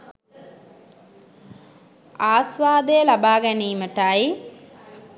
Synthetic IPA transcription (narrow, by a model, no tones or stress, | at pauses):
aːsʋaːd̪ejɐlabaːɡɐniːməʈaj